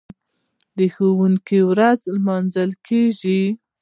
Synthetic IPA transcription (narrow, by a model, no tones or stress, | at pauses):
d̪əxowuŋkiwɾazlmɑnzəlkeʒi